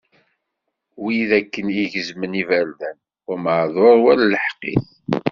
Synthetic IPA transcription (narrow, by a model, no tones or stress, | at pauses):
wiðækːənjiʝəzmənivæɾðæn | ʊɾməʕðˤoɾˤwælləħqːḭθ